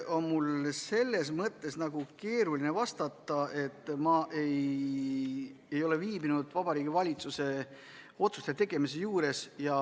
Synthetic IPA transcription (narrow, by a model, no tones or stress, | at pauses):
ʔo̞nmulse̞lːe̞smɤt̪ˑːe̞snɑɡ̥uke̞ːɾuline̞vɑst̪ɑt̪ːˑɑʔe̞t̪ːˑmɑʔe̞j | ejo̞le̞viːbinud̪̥vɑbɑɾiːɡ̥ivɑlʲit̪suse̞ | o̞t̪su̥st̪et̪e̞ɡ̥e̞mise̞juːɾe̞sjɑ